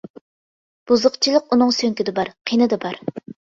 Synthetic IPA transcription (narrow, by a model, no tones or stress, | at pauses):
b̥uzʊqt͡ʃʰilˠəqunɨŋsøŋkʲid̪ɪbɑɾqʰinɨd̪ɨbɑɾ